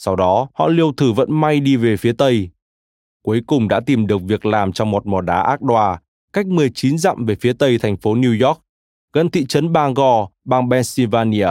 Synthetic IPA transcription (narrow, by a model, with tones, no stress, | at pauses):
sa˧wɗɔ˨˦hɔ̰˧˨li˧əwt̪ʰɨ˧˩və̰˧˥nma˧jɗi˧ve˨˩fi˨˦ət̪ə˧j | ku˨˦əjkʊ˨˩ŋ͡mɗa̰ː˧˥t̪i˨˩mɗɨ˨˩ək̚vi˨˩ək̚laː˨˩mt͡ɕɔ˧wŋ͡mmo˨˩t̚mɔ˨˩ɗaː˨˦ʔaː˦˥k̚ɗwaː˧˩ | ka˦˥jk̟̚mɨ˨˩əjt͡ɕi˨˦nza̰ː˧˨mve˨˩fi˨˦ət̪ə˧jt̪ʰa˨˩jŋ̟fo˨˦ni˧zɔ˦˥k̚ | ɣə˧nt̪ḭ˧˨t͡ɕə˨˦nɓaː˧ŋɣɔ˧ɓaː˧˩ŋɓɛ˧nsi˧vaː˧ni˧a˧